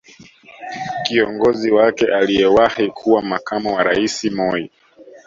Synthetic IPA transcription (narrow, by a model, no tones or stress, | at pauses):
kiɔŋɡɔziwakɛʔalijɛwahikʰuwamakamuwaɾaisimɔi